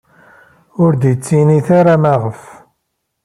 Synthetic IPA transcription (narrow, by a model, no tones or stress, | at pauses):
ʊɾd̪jət͡sːiniθaɾamaʁəf